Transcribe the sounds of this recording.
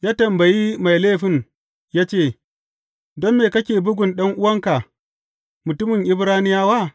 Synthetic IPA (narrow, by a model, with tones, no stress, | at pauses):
jaː˦tɐ˨mbɐ˨ji˦ma˨jleː˦˨ɸɪ˦˨ŋ | jaː˦t͡ʃeː˦˨ | dɔ˦nːeː˨kɐ˦kʲeː˨bʊ˦ɡʷʊ˨nɗɐ˦ŋʔʊ˦wɐ˦ŋka˨ | mʊ˨tʊ˦mɪ˨ŋʔɪ˦bɾaː˦nɪ˦jaː˦waː˦˨